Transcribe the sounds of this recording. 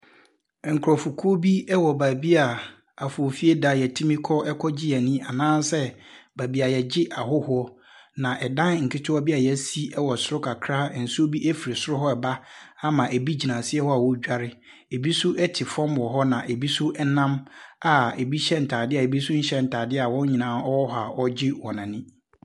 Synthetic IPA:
ŋ̩˨kʰɾɔ˨fu˨kʰu˦o˦bi˦ɛ˦wɔ˨ba˨bi˦a˨ | a˨fo˨fi˦e˦da˨jɛ˨tʰĩ˦mĩ˦kʰɔ˦ʔɛ˦kʰɔ˦d͡ʑi˦a˨nĩ˦a˨nãː˦n˦sɛ˦ba˨bi˨a˨jɛ˨d͡ʑɪ˦ʔa˨hʊ˦hʊ˦ɔ˦ | nã˨ʔɛ˨dã˦n˨ŋ̩˨kʰɪ˦tʰʊ˦a˦bi˦a˨jɛ˦si˦ɛ˦wɔ˨sʊ˦ɾʊ˦kʰa˨kʰɾa˦˨n̩˨su˦o˦bi˦ʔɛ˦fi˨ɾi˨sʊ˦ɾʊ˦ɦɔ˦ɛ˨ba˦a˦mã˨ʔe˨bi˦d͡ʑi˨nã˨sɪ˦ɛ˦hɔ˦a˨wɔ˦d͡ʑᶣa˦ɾɪ˦ | e˨bi˦sʊ˦ʔɛ˦tʰɪ˨fɔ̃˦mwɔ˨ɦɔ˦nã˨ʔe˨bi˦sʊ˦ʔɛ˦nã˦ma˨e˨bi˦ɕɛ˦n̩˨tʰaː˨dɪ˦a˨e˨bi˦sʊ˦ɲ̩˦ɕɛ˦n̩˨tʰaː˨dɪ˦a˨wɔ̃˦ɲi˨nãː˦ɔ˦wɔ˦ɦa˨ɔ˦d͡ʑɪ˦wɔ̃˨nã˨nɪ̃˦

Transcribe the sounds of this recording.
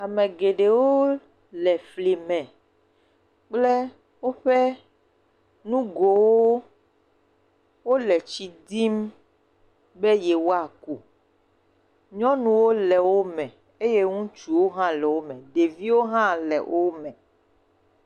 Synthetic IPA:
a˨mẽ˨ɡe˨ɖe˨wo˦ | lɛ˨fli˨mɛ̃˨ | k͡plɛ˦ | wo˦ɸe˦ | nũ˦ɡo˨wo˦ | wo˦lɛ˨t͡ʃi˨d̪i˦m | be˦jɛ˨wo˦a˨ku˨ | ɲɔ̃˦nũ˨wo˦lɛ˨wo˦mɛ̃˨ | e˦je˦ŋũ˦t͡ʃu˨wo˦ɦã˦lɛ˨wo˦mɛ̃˨ɖe˨vi˦wo˦ɦã˦lɛ̰˨wʔo˦mɛ̃˨

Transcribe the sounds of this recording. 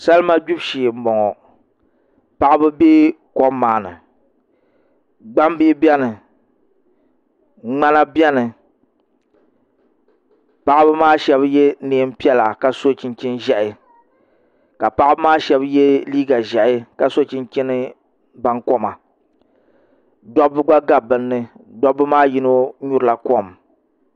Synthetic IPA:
sa˦lma˦d͡ʒu˦bʃi˨m̩˨bɔ˨ŋɔ˨ | pa˨ʔbɨ˦beː˦ | kɔ˦mː˦aː˨nɨ̰˨ | ɡ͡ba˦m˦bi˦bɛ˦nɨ˨ | ŋ͡ma˦na˦bɛ˦nɨ˨ | pa˨ʔbɨ˦maː˦ʃɛ˦bjɛ˦neː˨˦m̩˦pi˦ɛ˦la˨ka˨so˦t͡ʃi˦nt͡ʃi˦nʒɛ˦ʔɪ˨ | ka˨pa˦ʔɪ˦bɨ˦maː˦ʃɛ˦bjɛ˦liː˦ɡa˨ʒɛ˨ʔɪ˦ka˨so˦t͡ʃi˦nt͡ʃi˦nɨ˦ | ba˦ŋkɔ˦ma˨ | dɔ˦bɨ˦ɡ͡ba˦ɡa˨bɨ˨nːɨ˨dɔ˦bɨ˦maː˦ji˦no˦ɲu˦ɾɨ˨la˨kɔ˦˨m

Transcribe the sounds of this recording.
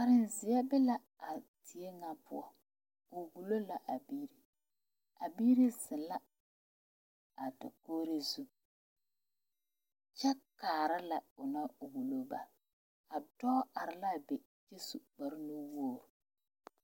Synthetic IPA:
ka˨ɾɪ˦nzɪ˨jɛ˦bɛ˦la˦ | a˨tɪ˨e˦ŋa˦pʊ̰˦ɔ˦ | ʊ˨wu˨lo˦la˨ʔa˨biː˦ɾi˨ | a˨biː˦ɾi˦zɪ˨la˦ | a˨da̰˨koː˦ɾe˦zu˦ | t͡ʃɛ˦kaː˨ɾɪ˦la˨ʊ˨na˦˨wu˨lo˦ba˨ | a˨dɔ˦a˨ɾɪ˨la˦˨be˨ | d͡ʒe˦su˨k͡pa˨ɾɪ˦nu˦woː˦˨ɾʊ˨

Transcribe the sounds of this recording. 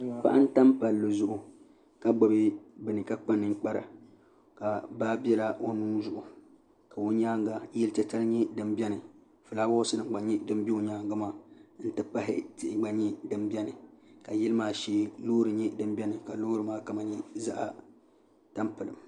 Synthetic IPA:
k͡pa̰˦ʔa˦n̩˦ta˦mpa˨lːɨ˨zʊ˦ʔʊ˨ | ka˦ɡ͡bɔ˨bɪ˦bɨ˨nɨ˨ka˦k͡pa˦nɨ˦ŋ˦k͡pa˦ɾa̰˨ | ka˨baː˦bɛ˦la˦o˦nuː˦zʊ˨ʔʊ˨ | ka˨wo˦ɲaː˦ŋɡa˨˦jɛ˦lt͡ʃɛ˦t͡ʃa˦lɲɛ˦dɨ˨mbʲɛ˦nɨ˨ | fɨ˨laː˦ba˦o˦sɨ˦dɨ˨˦ɡ͡ba˨ɲɛ˦dɨ˦mbi˦o˨ɲaː˦ŋɡa˦maː˦˨n̩˦tɨ˦pa˦ɦɪ̰˦tɪ˦˨ʔɪ˨ɡ͡ba˦ɲɛ˦dɨ˨mbʲɛ˦nɨ˨ka˨jɛ˦lɨ˦maː˨ʃeː˦loː˦ɾɨ˨ɲɛ˦dɨ˨˦m˦bʲɛ˦nɨ˨ka˨lo˦ɾɨ˨maː˦ka˦ma˨ɲi˦za˦ʔa˨ | ta˦mpɨ˨lɨ˨m

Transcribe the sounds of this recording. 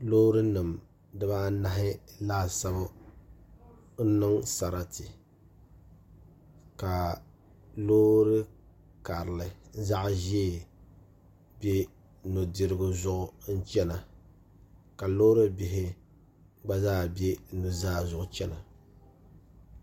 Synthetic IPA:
lo˦ɾɨ˦nɨ˨m | dɨ˦ba˦na˦ɦɪ˦laː˦˨sa˦ba˦ | n̩˦nɨ˦ŋsa˨ɾa˦tɪ˨ | ka˨ | lo˦ɾɨ˦ | ka˨ɾɨ˨lɨ˨n˦za˦ʔʒ | bje˦ | nu˨di˨ɾɨ˦ɡʊ˦zʊ˦ʔʊ˦n̩˦t͡ʃɛ˦na˨ | ka˨lo˦ɾɨ˦bɪ˨ɦɪ˦ | ɡ͡ba˦zaː˦˨be˦nu˨zaː˦zʊ˨ʔʊ˦t͡ʃɛ˦na˨

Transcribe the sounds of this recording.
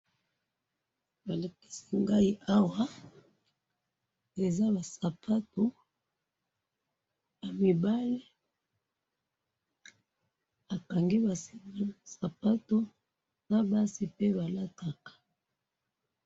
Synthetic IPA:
ba˨la˨ki̥˦si˦ŋɡa˦i˦ʔa˦wa˦ | e˨za˦ba˨sa˨pʰa˦to˨ | ja˨mi˨ba˦li˦ | a˨ka˨ŋɡi˦ba˨ssa˨pa˦to˦ | na˦ba˦si˨pe˦ba˨la˦ta˨kḁ˨

